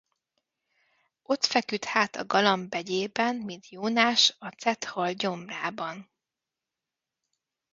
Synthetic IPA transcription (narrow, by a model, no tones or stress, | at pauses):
o̞t̪fɛkyt̪haːt̪ɒ̰ɡɒlɒmbɛɟeːbɛnmint̪joːnaːʃɒt̪sɛt̪hɒlɟo̞mraːbɒn